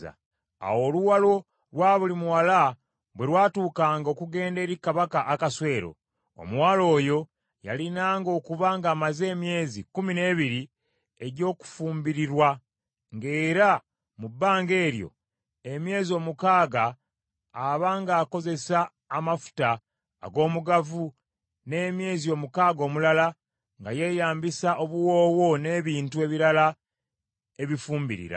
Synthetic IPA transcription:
a̰ | a̰wo̞luwalo̞ | ɾwaːβulimuwala | βwe̞lwaːtuːkaːŋɡo̞kuɡe̞ːnde̞ːɾikaβakaʔːkaswe̞ːɾo̞̰ | o̰mwaːlo̞ːjo̞ | ja̰linaːŋɡo̞ːkuβaŋɡaːmaze̞ːmje̞ːzikumine̞ːβiɾi | e̞ɟo̞ːku̥fuːmbiɾiɾwa | ŋɡe̞ːɾa | mubːaːŋɡe̞ːɾjo̰ | e̞mje̞ːzio̞ːmukaːɡaː | βaŋɡaːko̞ze̞saː | mafu̥ta̰ː | ɡo̞ːmuɡavu | ne̞ːmje̞ːzio̞ːmukaːɡo̞ːmulala | ŋɡa̰je̞jaːmbisaʔo̞βuwo̞ːwo̞ne̞ːβiːntue̞βiɾala | e̞βifuːmbḭɾḭɾa̰

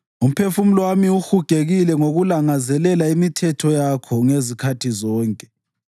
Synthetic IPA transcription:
um̩pʰefum̩lwamiuxuɡ̥ʱeɣilɛŋoɣulaŋazɛlɛlaimitʰɛtʰɔjakʰɔŋezikʰatʰizɔːŋkʼɛ̥

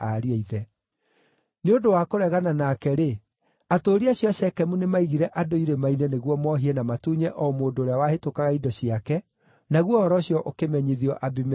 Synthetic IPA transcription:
aɾiaiðɛ | neodowakoɾɛɣananaːkɛɾe | atoɾiaɕjɔɕɛkɛmunemaiɣiɾɛʔadoiɾemainɛneɣwɔmɔɦiɛnamatuɲɛʔɔmoːdoːɾeawahetokaɣaidɔɕiakɛ | naɣwɔhɔɾɔɕjɔʔokemɛɲiðiɔʔabim

